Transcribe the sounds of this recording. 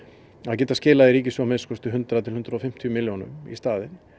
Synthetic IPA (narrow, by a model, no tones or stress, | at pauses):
aðcɛːt̪ascɪːlaðɪɾiːcɪsɔmeðskʏst̪ʏɦʏnt̪ɾaðat̪ʰɪlhʏnt̪ɾaɔfɪm̥t̪ʰiʏmɪljonʏ̰mḭst̪aːðɪn